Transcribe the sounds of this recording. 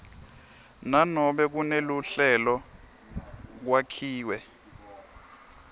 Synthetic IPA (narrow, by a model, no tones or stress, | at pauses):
nanɔɓɛk̬uneluɬɛlɔ | k̬wakʰiːwɛ